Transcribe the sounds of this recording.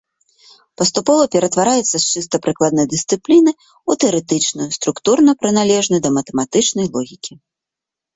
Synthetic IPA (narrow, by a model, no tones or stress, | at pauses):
pɐst̪upɔvɐpʲɛɾɐt̪vaɾajɛt̪sːɐst͡ʂɨst̪ɐpɾɨklˠad̪nɐjd̪ɨst̪sɨplʲinɨ | ut̪ɛɐɾɛt̪ɨt͡ʂnujust̪ɾukt̪urnɐpɾɨnalʲɛʐnɐd̪ɐmɐt̪ɛmat̪ɨt͡ʂnɐjlˠɔɣʲikʲi